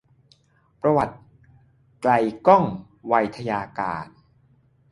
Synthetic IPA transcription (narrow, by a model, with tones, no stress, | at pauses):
pɾa˧wa˨˩t̪̚ | kla˧jkɔ˥˩ŋ | wa˧jt̪ʰa˧jaː˧kaː˨n̚